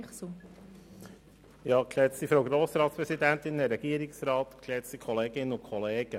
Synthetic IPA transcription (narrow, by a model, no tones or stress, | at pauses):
su | jɑːkʰlɛsifɾowɡɾoːsɾɑːt̪spɾɛsid̪ænt̪ɪnd̪ɛɾɛɡ̥iəɾɪksɾɑːt̪kʰlɛt͡st̪ikʰɔleːɡɪnːənʊkʰɔleːɡ̥ə